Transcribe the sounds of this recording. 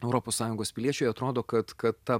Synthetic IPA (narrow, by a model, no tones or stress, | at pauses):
ɛʊɾopoːssɑːjʊŋɡoːspʲɪlʲiɛt͡ʃʲʊːjɐt̪ɾoːd̪oːkɐt̪kɐt̪ːɐ